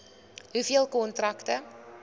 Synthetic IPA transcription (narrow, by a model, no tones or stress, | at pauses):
ɦufiəlˠkɔntrɐktə